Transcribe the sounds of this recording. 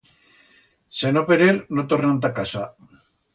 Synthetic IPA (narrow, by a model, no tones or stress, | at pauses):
senopeɾeɾnot̪oɾnant̪̬akasa